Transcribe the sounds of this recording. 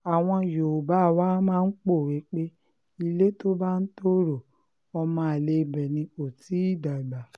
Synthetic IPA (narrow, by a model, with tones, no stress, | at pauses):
a˨w̃ɔ̃˧jo˨ba˨˦˨wa˦mãː˦n̩˦k͡po˦˨wi˨˦k͡pe˦ | i˧le˦to˦ba˦n̩˦to˦ɾo˨ | ɔ˧mã˦a˨le˧bɛ˨nĩ˧o˨ti˨˦i˦˨da˨ɡ͡ba˨